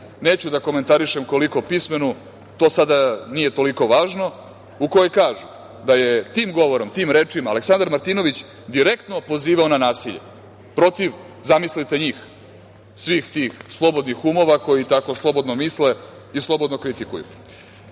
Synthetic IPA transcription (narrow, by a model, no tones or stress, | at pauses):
neːt͡ɕud̪ako̞me̞nt̪aɾiʃemko̞liko̞pisme̞nu | t̪oːsad̪anije̞t̪o̞liko̞ʋaːʒno̞ | uko̞jojkaːʒu | d̪ajet̪iːmɡo̞ʋo̞ɾo̞mt̪iːmɾeːt͡ʂimaːle̞ksand̪aɾmaɾt̪iːno̞ʋit͡ɕ | d̪iɾe̞kt̪no̞po̞ziːʋaonanaːsiʎḛ | pɾo̞t̪iʋ | zamislit̪e̞ɲiːx | sʋiːxt̪iːxslˠo̞bo̞d̪nixumo̞ʋako̞jit̪ako̞slˠo̞bo̞d̪nomisle̞ | islˠo̞bo̞d̪no̞kɾit̪ikṵjṵ